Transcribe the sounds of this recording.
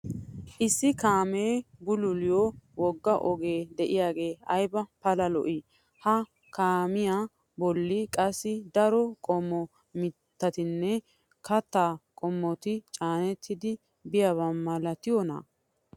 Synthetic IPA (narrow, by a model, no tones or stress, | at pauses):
ʔɪsːɪkaːmeːbʊlʊlɪjowɔɡːɐʔɔɡeːd̪ɛʔɪjaːɡe̞ːɐjbɐpɐlɐlɔʔi | hɐ | kaːmɪja | bɔlːikʼɐsːɪd̪ɐɾɔkʼɔmːɔ | mɪt̪ːɐt̪ɪnːɛ | kɐt̪ːaːkʼɔmːɔt̪ɪt͡ʃʼaːnɛt̪ʰːɪd̪ɪ | bɪjɐβɐmːɐlɐt̪ɪjɔna̰